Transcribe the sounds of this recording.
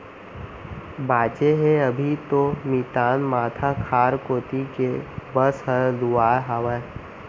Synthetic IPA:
baːt͡ʃeɦẽɐbʱit̪omiːt̪aːnmaːt̪ʰakʰaːɾkoːt̪ikebəsɦəɾluaːɦaːʋa

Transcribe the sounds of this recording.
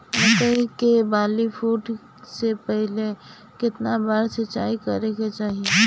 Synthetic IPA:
ɛt̪əikebaːlifuːʈ | sepɛɦle | kɪt̪nabaːɾsət͡ʃa̰ːikɐɾeket͡ʃaːɦie

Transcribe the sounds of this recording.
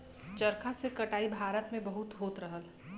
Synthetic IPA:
t͡ʃəɾkʰasekɐʈaːibʱaːɾət̪mẽbɐɦʊt̪ɦoːt̪ɾəɦəl

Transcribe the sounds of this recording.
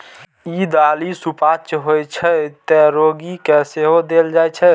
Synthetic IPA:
id̪alisupat͡ʃɦojt͡ʃʰɛt̪ɛɾoɡikɛseɦod̪eld͡ʒajt͡ʃʰɛ

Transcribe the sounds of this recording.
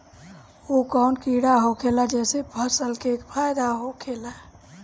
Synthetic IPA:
okankiɽaɦokʰelad͡ʒɛsebʱəsəlkekpʰajd̪aɦokʰela

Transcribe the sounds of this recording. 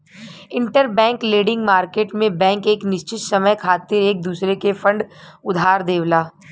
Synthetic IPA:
ɪ̃ɳʈəɾbɛ̃ːŋkleːɖɪ̃ŋɡmaːɾkeːʈmẽbɛ̃ːŋkeːknɪʃt͡ʃɪt̪sɐməjkʰaːt̪ɪɾeːk̚d̪uːsɾekefə̃ɳɖʊd̪ʱaːɾd̪eːʋlaː

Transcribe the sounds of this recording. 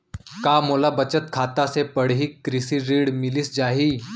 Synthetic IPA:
kamolabət͡ɕət̪kʰat̪asepəɽɦiːkːɾisiːɾiːɽmiliːsd͡ʑaɦiː

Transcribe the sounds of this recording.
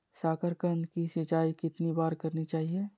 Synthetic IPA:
saːkəɾkə̃nd̪kisɪt͡ʃaːikɪt̪nibaːɾkɐɾnit͡ʃaːɦie

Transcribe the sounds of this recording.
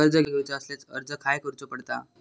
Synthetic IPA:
əɾd͡zəɡʱewt͡ɕaəslet͡sə̰ɾd͡zəkʰajkəɾt͡sopəɽt̪a

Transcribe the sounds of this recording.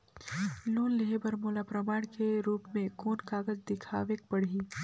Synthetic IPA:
loːnleɦebɐɾmoːlapɾɐmaːɽ̃keɾuːpmẽkoːnkaːɡəd͡ʒd̪ɪkʰa̰ːʋek̚bɐɽ̤iː

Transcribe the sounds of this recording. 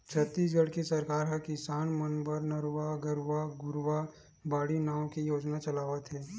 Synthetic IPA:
t͡ʃʰət̪ːiːs̬ɡəɽkisɐɾkaːɾɦɛkɪsaːnmənbəɾnəɾʋaɡəɾʋaɡʊɾʋa | baːɽinaːwõkijoːd͡ʒnat͡ʃɐlaːʋət̪ɦɛː

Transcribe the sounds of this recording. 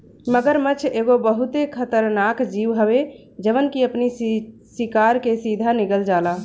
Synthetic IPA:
məɡəɾmət͡ʃʰeɡobəɦut̪ekʰət̪əɾnakd͡ʒiʋɦəbe | d͡ʒəʋənkiəpnisikaɾkesid̪ʱaniɡəld͡ʒala

